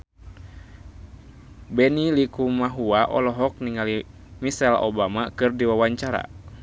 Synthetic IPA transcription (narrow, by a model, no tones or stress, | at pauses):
bɛnilikumaɦuaʔɔ̰lɔɦɔk̚niŋali | misɛlɔ̰bamakɨrdiwawaɲt͡ʃaɾa̰